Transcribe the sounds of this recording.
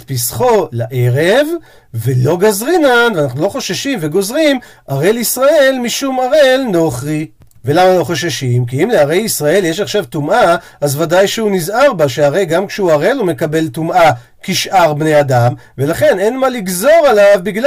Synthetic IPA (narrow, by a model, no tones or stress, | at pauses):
pisχo̞laʔe̞ʁe̞v | ve̞lo̞ɡazʁinanveanaχnulo̞χo̞ʃaʃimveɡo̞zʁim | ʔaʁelisʁae̞lmiʃumaʁelno̞χʁi | ve̞lamalo̞χo̞ʃaʃimkiimleaʁe̞jisʁae̞ljeʃaχʃavtumʔa | azvadajʃeunizaʁbaʃeaʁe̞jɡamkʃeuaʁelome̞kabe̞ltumʔa | kiʃʔaʁbnejadam | ve̞laχe̞nenmaliɡzo̞ʁalavbiɡl